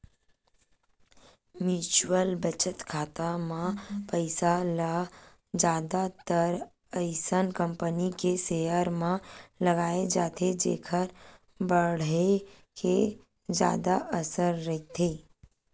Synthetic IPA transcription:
mjuːt͡ʃwəlbət͡ʃət̪kʰaːt̪amãpəɪsala | d͡ʒjaːd̪at̪əɾ | əɪsənkə̃mpənikesejəɾmãlɐɡaːed͡ʒaːt̪ʰed͡ʒḛːkʰəɾ | bəɽ̤e | ke | d͡ʒja̰ːd̪aʔəsəɾːɐɦt̪ʰeː

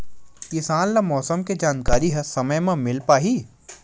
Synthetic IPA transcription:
kɪsaːnlɐmɔːsəmked͡ʒaːnkaːɾiɦɐsɐməjmãmɪlpaːɦiː

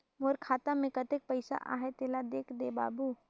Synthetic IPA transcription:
moɾkʰaːt̪amẽkət̪ek̚pəɪsa̰ʔa̰ːɦet̪eːlad̪eːkʰd̪eba̰ːbu

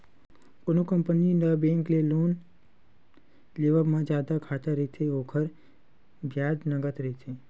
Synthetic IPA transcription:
onokəmpəninəbẽːŋkleloːn | leʋəbmãd͡ʒaːd̪akʰaːt̪əɾəit̪ʰeoːkʰəɾ | bʱjaːd͡ʒnəɡət̪ɾəɦit̪ʰe

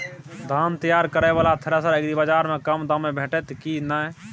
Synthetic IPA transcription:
d̪ʱaːnt̪əjaːɾkəɾɛʋaːlat̪ʰəɾəsəɾekd̪ibəd͡ʒaːɾmẽkəmd̪əmebʱeːʈɛt̪kinə

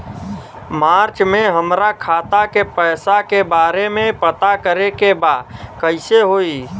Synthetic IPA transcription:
maːɾt͡ʃmẽɦəmɾakʰaːt̪akepɛːsakebaːɾemẽpət̪akəɾekebaːd̪kəɪseɦoːi

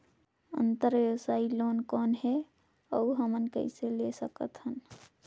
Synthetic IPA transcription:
ə̰nt̪əɾʋjəwsailonkɔnɦɛ | əuɦəmənkə̰ɪselesəkət̪ɦən

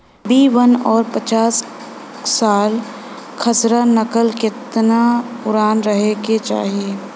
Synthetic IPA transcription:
biːʋənɔːɾpət͡ʃaːs | saːl | kʰəsɾanəkəlkɪt̪napʊɾaːnɾəɦeket͡ʃa̰ːɦie

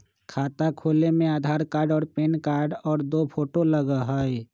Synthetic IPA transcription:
kʰaːt̪akʰoːlemẽaːd̪ʱaːɾkaːɾɖɔːɾpeːnkaːɾɖɔːɾd̪oːpʰoːʈoləɡaɦaɛ

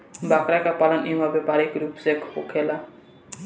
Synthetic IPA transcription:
bakɾakapalanibʱabepaɾikɾupsekʰpokʰela

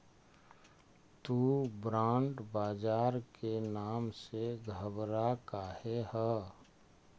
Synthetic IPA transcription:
t̪uːbɾãːɳɖbaːd͡ʒaːɾkenaːmseɡʱəbɾakaːhehə

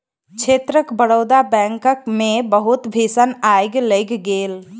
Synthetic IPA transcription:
kt͡ʃʰeːt̪ɾəkbəɽəːd̪abɛ̃ːŋkəkmẽbəɦʊt̪bʱiːsənaːjɡləɡɡeːl

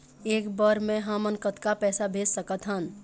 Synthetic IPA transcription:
eːkbəɾmẽɦamənkət̪kapɛːsabʱeːd͡ʒsəkət̪ɦən

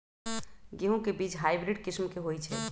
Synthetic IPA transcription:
ɡeɦũkebit͡ʃɦaɪbɾɪɖkɪsmkeɦojt͡ʃʰɛ

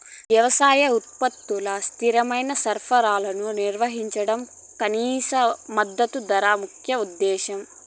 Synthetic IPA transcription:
ʋjɐʋɐsaːjɐut̪̚pɐt̪ːulɐst̪ʰiɾɐmɐjnɐsɐɾpʰɐɾaːlɐnuniɾʋɐɦiɲt͡ʃɐɽɐm | kɐniːsɐmɐd̪ːɐt̪ud̪ɐɾaːmukʰjɐud̪ːɛːʃɐm

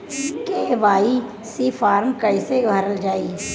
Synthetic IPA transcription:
keʋaːi | sifʰaːɾmkəɪsebʱɐɾəld͡ʒaːi

